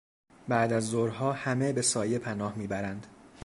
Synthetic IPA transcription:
bæʔd̪æzːoɾɦɒːhæme̞be̞sɒːjepʰænɒːhmiːbæɾænd̪̥

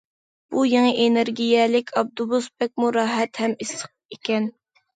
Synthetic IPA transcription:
b̥ujeŋəʔenɪɾɡʲijɛlɪkʲɑb̚d̪ubusbɛk̚ʲmuɾɑːɦɛt̪hɛmisə̥q̚ekʲɛn

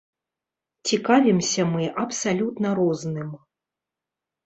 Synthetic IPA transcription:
t͡sʲikavʲimsʲɐmɨʔɐpsalʲut̪nɐɾɔznɨm

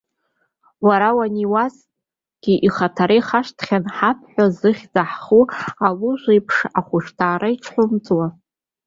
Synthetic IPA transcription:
waɾawaniwas | ɡ̥ʲiʔiχatʰaɾejχaʂtʰχʲanħapʰħʷᶣazɨχʲd͡zʼaħχualuʒʷejpʰʂaχʷʊʃtʰaːɾaiʈ͡ʂʰħʷʊmt͡sʼwa

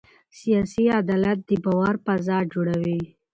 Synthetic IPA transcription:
sijɑsiad̪ɑlat̪̚d̪ibawaɾpazɑd͡ʒoɽawi

